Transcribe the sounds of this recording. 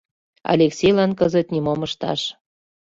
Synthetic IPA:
ɑ̰lʲeksʲejlɑnkəzət̪nimoməʃt̪ɑ̰ʃ

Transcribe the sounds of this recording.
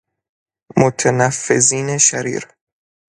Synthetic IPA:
mot̪ʰænæfːḛziːneʃæɾḭːɾ

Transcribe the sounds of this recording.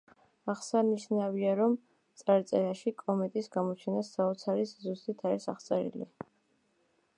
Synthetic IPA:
aχsaniʃnaviaɾɔm | t̪sʼaɾt̪sʼɛɾaʃikʼɔmɛt̪ʼisɡamɔt͡ʃʰɛnasːaɔt̪sʰaɾiszust̪ʼit̪ʰaɾisaχt̪sʼɛɾḭlḭ

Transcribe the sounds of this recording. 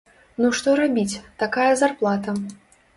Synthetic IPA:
nuʂt̪ɔɾabʲit͡sʲt̪akajɐzarplˠat̪ɐ

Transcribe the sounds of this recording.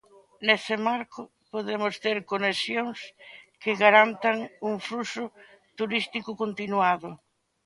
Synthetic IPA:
nesɪmaɾkʊ | poðemʊst̪eɾkonesjoŋskɪɣaɾant̪aŋuŋflusʊ | t̪uɾist̪ikʊkont̪inwaðʊ

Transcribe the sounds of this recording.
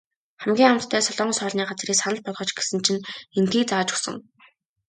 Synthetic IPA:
χæmɡʲiːŋamt̪ʰːæːsɔɮɔːɴsœːɮniːɢat͡sriːksanə̆ɮpɔɮʁɞ̆t͡ɕɡe̥sɘ̆nt͡ɕʰinent̪ɡiːk̚t͡saːt͡ɕʊ̥sə̆ŋ

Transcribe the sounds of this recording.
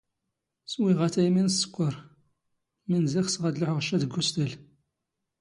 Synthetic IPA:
swiʁæθæjminsːə̥kʷːəɾ | mənzixsʁæd̪lʊħəʁəʃːæd̪əɡʷːust̪əl

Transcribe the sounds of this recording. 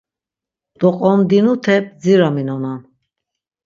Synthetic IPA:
d̪̥ɔqʼɔmd̪inut̪ʰɛp̚d͡ziɾaminɔnan

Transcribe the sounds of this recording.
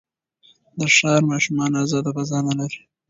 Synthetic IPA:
d̪əʂɑɾmɑʃumɑnazɑd̪abazɑnalaɾi̥

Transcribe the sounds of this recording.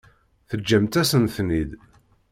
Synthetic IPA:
θəd͡ʒːæmt̪æsənθnid̪

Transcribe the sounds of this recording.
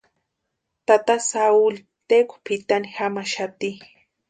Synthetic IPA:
t̪at̪asaul | t̪ekʷpit̪anixamaʃat̪i

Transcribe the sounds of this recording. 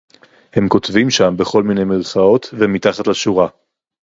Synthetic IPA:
he̞mko̞tvimʃambeχo̞lmine̞jmilχao̞t̪vemitaχat̪laʃuʁa

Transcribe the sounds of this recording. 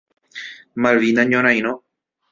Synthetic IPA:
malʋinãɲõɾ̃ãj̃ñõ

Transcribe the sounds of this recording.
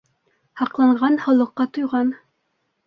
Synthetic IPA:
hɑqlˠɑɴʁɑnhŏlˠɤ̆qːɑt̪ojʁɑn

